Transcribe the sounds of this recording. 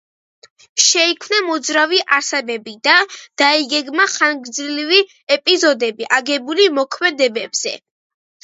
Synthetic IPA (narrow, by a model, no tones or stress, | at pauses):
ʃɛikʰmnamɔd̪zɾaviʔaɾsɛbɛbid̪ad̪̥aiɡɛɡmaχaŋɡd̪zilivi | ɛpʼizɔd̪ɛbiʔaɡɛbulimɔkʰmɛd̪ɛbɛbz̥ɛ̰